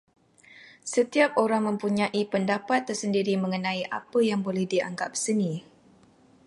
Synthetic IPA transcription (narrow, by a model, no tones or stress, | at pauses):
sət̪iap̚oɾaŋmə̃mpuɲãʔipəndapat̪ːərsəndiɾimə̃ŋənãiʔapəjaŋbolɛhdia̰ŋɡap̚sənĩ